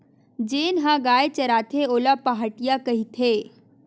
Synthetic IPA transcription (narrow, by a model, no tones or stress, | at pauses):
d͡ʑeːnɦãɡaːjt͡ɕɐɾaːt̪ʰeoːlapaɦaʈijakɐɦit̪ʰeː